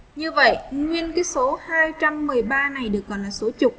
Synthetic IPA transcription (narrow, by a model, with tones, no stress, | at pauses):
ɲɨ˧və̰˧˨jŋwi˧ənkaː˨˦jso˨˦haː˧jt͡ɕa˧mːɨ˨˩əjɓaː˧na˨˩jɗɨ˨˩ək̚ːɔ˨˩nlaː˨˩so˨˦t͡ɕʊ˨˩k͡p̚